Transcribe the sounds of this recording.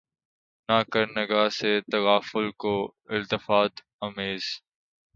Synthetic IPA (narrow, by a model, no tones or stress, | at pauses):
naːkəɾnəɡaːset̪ɐwaːfʊlkoɪlt̪ɪfaːt̪ | ɐmeːz̥